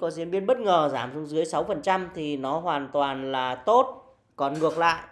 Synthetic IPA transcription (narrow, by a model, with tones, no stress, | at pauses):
kɔ˨˦zi˧˩ənvi˧ənɓə˦˥t̚ŋəː˨˩zaː˧˩mzʊ˨˧˦ŋ͡mzɨ˨˦əjsa˨˦wfə˨˩nt͡ɕa˧mt̪ʰi˨˩nɔ˨˦ɦwaː˨˩nt̪waː˨˩nlaː˨˩t̪o˦˥t̚ | kɔ˨˩nŋɨ˨˩ək̚la̰ː˧˨jʔ